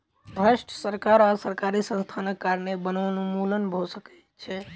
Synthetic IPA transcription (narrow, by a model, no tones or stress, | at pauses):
bʱɾəsʈsəɾkaɾasəɾkaɾisə̃nst̪ʰanəkːaɾnebənʋənumulənbʱosəkɛt̪t͡ʃʰɛ